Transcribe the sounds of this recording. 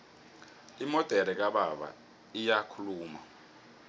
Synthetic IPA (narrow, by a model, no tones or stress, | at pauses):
imɔtʼɛɾɛk̬ʼaɓaɓa̰ | ijakʰuluːma̰